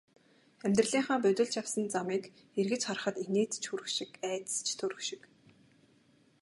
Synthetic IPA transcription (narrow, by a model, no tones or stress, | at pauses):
æmʲt̪r̆ɮiːŋχaːpɵ̟t̪ʲɵ̆ɮt͡ɕʰjawsə̆nt͡samiːk | erɣɘ̆t͡ɕχɔr̆χə̆t̪eneːt͡st͡ɕʰxuɾɘ̆xʃɪ̆kæːt͡s̪st͡ɕʰt̪ʰɵɾɵ̆xʃɪ̥̆k